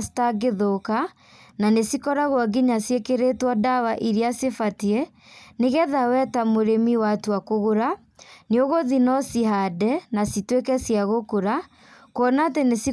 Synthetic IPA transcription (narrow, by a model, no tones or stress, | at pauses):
si̥taɡeðoka | nanesikɔɾaɣwaɡiɲasjekeɾetwɔdawaʔiɾiasefatiɛ | neɣɛðawɛtamoɾemiwatwakoɣoɾa | neoɣoðinɔsihadɛnasitwekɛsjaɣokoɾa | kɔnaːtenesi